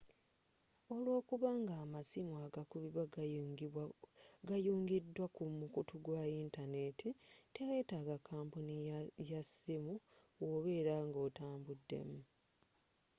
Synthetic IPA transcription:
o̞lwo̞ːkuβaŋɡaːmasimwaɡakuβiβwa | ɡajuːŋɡidːwakumukutuɡwaintane̞tʰite̞we̞ːtaɡakʰːaːmpunijasimu | wo̞βe̞ːɾaŋɡo̞ːtaːmbudːe̞̰mu

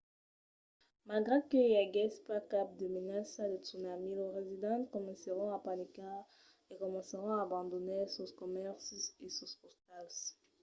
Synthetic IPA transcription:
malɡʁekəjaɡɛspakap̚d̪əmenasad̪ətsunamileʁezid̪ɑ̃tkɔmɑ̃səʁɔ̃apanika | ekɔmɑ̃səʁɔ̃aːbɑ̃d̪ɔnesoskɔmɛʁsesɔspɔst̪als

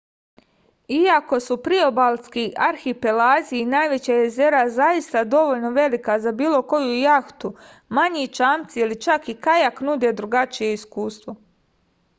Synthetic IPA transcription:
iako̞supɾio̞balˠskiʔaɾxipelaːziinaːjʋe̞t͡ɕaje̞ze̞ɾazajist̪ad̪o̞ʋoʎno̞ʋe̞likazabiːlˠo̞ko̞jujaxt̪u | maɲit͡ʃaːmt̪siilit͡ʃakikajaknud̪e̞d̪ɾuɡat͡ʃije̞iskuːst̪ʋo̞

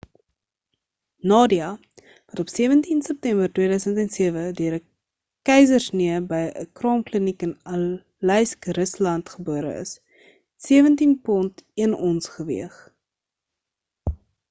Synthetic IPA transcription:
nɑːdiɐ | vɐtɔpsiəvəntinsəp̚tɛmbərtwiədœɥsəntɛnsiəvədøəɾə | kɛjzərsniəbəjʔə̰krɑːmklənikənɐ | lɛjskrəslɐntχəbuəɾə̰ə̰s | tsiəvəntinpɔntiənɔnsχəvḭəχ

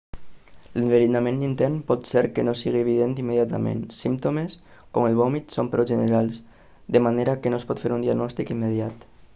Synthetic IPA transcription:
ləɱveɾinamẽnnint̪ɛnpɔt̪seɾkənosiɣieβ̞iðent̪imːeðjat̪a̰mḛnsimt̪omes | koməlˠβɔmit̪sompɾoʒənəɾalˠs | d̪əmaneɾakənospɔt̪feɾund̪iaɡnɔst̪ikimːeðiat̪

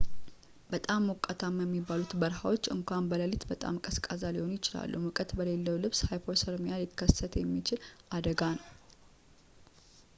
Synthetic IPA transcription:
bət̪ʼamːɔkʼːat̪ʰamjəmːibːalut̪bəɾɦawo̞t͡ʃːɨ̰ŋkʷambələlɪt̪bət̪ʼa̰mkʼəskʼazaliho̞njɪt͡ʃɪla̰lːumɨkʼət̪bəle̞lːəwlɨβshajpʰoɾsəɾmjalikʰːəsət̪ʰjɛmːit͡ʃɪlʔad̪əɡanəw

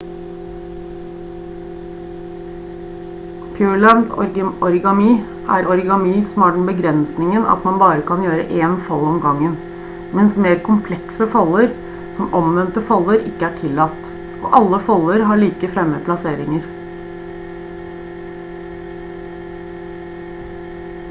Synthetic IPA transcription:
kʰøːɭænd̪ɔ̰ɾʔɔɾɡɑmiː | ʔæ̰ɾɔɾɡɑmiːsɔm̩ɑːɖɛnbəɡɾɛnsnɪŋənɑ̰t̪mɑnbɑːɾəkʰɑnjøːɾə̰ʔeːnfɑlːɔmɡɑŋːən | mɛnsmeːɾkʰʊmpʰlɛksəfɑlːəɾ | sɔmʔɔmʋɛnt̪əfɑlːəɾɪ̰kːəæʈʰɪlːɑt̪ː | ʔo̰ːʔɑlːəfɑlːəɾɦɑɭiːkəfɾɛmːəpʰlɑseːɾɪŋəɾ

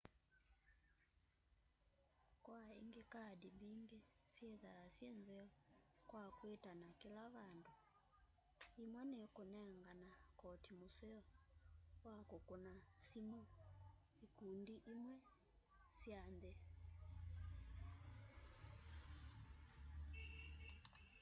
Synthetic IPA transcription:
kwaḭŋɡɛkadibiŋɡɛ | sjɛðaasjɛnzɛɔkwakwetanakilaβandu | imwanɛkɔnɛŋɡanakɔtimusɛɔ | wakɔkɔnasimɔ | ikundiʔimwɛ | sjanðɛ

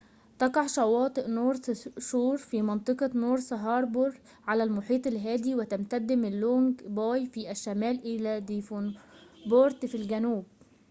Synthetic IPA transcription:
t̪ɑqɑʕʃɑwɑːt̪ˤɨʔnoːɾsʃuːɾfiːmɑnt̪ˤɨqɑnoːɾˤsɑɦɑːɾˤboɾˤ | ʕalælmʊħiːt̪ˤɪlɦæːd̪iwɪt̪æmt̪æd̪ːɪmɪlːoŋɡbɑːjfiʔæʃːæmæːlʔɪlæd̪ifonboɾt̪filɡænuːb̚

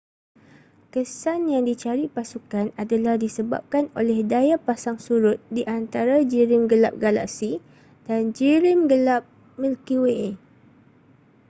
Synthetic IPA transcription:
kəsanjaŋdit͡ʃaɾipasukanadalahdisəba̰p̚kano̰lɛhdajapasaŋsuɾʊt̪̚diʔant̪aɾad͡ʒiɾɪmɡəla̰p̚ɡala̰ʔsi | d̥and͡ʒiɾɪmɡəlap̚ | milkiwe

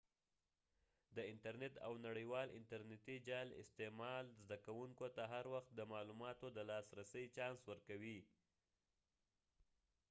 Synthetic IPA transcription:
d̪əɪntaɾnet̪a̰wnaɽəjwɑlɪ̰nt̪aɾnet̪id͡ʒɑlɪ̰st̪emɑlzd̪akawuŋkot̪aɦaɾwaxt̪̚d̪əmɑlumɑt̪od̪əlɑsɾasəjt͡ʃɑnswəɾkawi

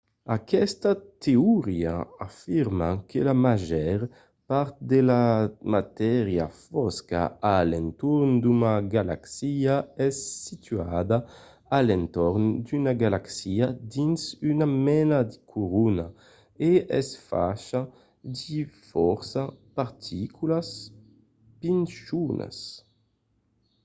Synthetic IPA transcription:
akɛst̪at̪euʁiaafiʁmakʰelamaʒɛʁ | paɾt̪̚d̪elamat̪ɛʁja̰fɔska̰alɛnt̪uɾnd̪umaɡala̰ksiaɛsːit̪yad̪a | alɛnt̪ɔɾnd̪ynaɡalaksiad̪insynamɛnad̪ikʰuʁuna | eɛsfa̰ʃa | d̪ifɔɾsapaɾt̪ʰikʰulas | pinsunʔa̰s

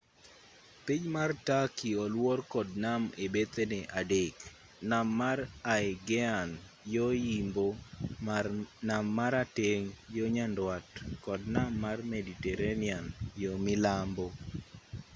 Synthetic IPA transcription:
piɲmartakiɔlwɔrkɔd̚namebet̪eneʔadek | namːaraɛɡɛan | jojimbo | namːaɾateŋjoɲandwatkɔdnamːarmeditɛɾenɪanjomɪlambo

